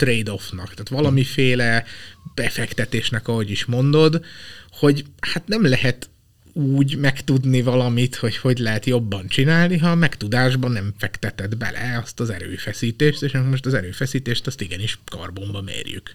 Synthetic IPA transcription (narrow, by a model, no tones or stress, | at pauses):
t̪rejd̪o̞fnɒkt̪aːt̪ʋɒlɒmifeːlɛb̥ɛfɛkt̪ɛt̪eːʃnɛkɒɦo̞ɟiʃmo̞nd̪o̞d̪ho̞ɟhat̪nɛmlɛɦɛt̪ | uːɟmɛkt̪ud̪nivɒlɒmit̪ho̞cho̞ɟlɛɦɛt̪jo̞bːɒnt͡ʃinaːlniɦɒmɛkt̪ud̪aːʒbɒnɛɱfɛkt̪ɛt̪ɛd̪bɛ̰lʔɛ̰ɒst̪ɒzɛ̰ɾø̰ːfɛsiːt̪eːʃt̪eːʃmoʃt̪ɒzɛɾøːfɛsiːt̪eːʃt̪ɒst̪iɡɛniʃkɒ̰rbo̞mbɒmḛːrjy̰k